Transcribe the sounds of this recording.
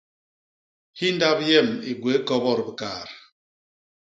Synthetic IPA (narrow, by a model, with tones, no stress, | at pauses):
hi˦n̩˦da˦bjɛ˦˨mi˨ɡwe˨˦kɔ˦bɔ˦˨ɾbi˨kaː˨ɾ